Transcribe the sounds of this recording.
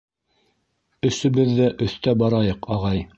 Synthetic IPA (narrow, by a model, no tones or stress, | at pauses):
ɵ̆sɵ̆bɘðːæʔɵ̆θt̪æbɑɾɑjɤqɑʁɑj